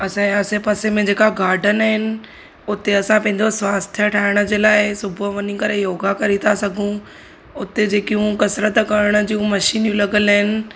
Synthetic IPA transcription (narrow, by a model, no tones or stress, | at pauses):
ɐsãːẽɐsepɐsemẽd͡ʑeːkaɡaːɾɖənaɦɪnɪ̆ | ʊt̪eɐsãpɐ̃ɦɪ̃ɲd͡ʑosʋaːst̪ʰjəʈʰaːɪɽ̃ə̆d͡ʑeːlaːɪsʊbʱʊʋɐɲikɐɾejoːɡakɐɾit̪ʰasɐɡʱũ | ʊt̪ed͡ʑeːkijũkɐsɾət̪kɐɾəɽ̃ə̆d͡ʑiũmɐʃiːnjũlɐɡələɦɪnɪ̆